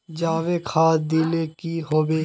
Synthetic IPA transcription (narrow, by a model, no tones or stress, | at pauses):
d͡ʒaːʋekʰaːd̪iːlekiɦoːbeː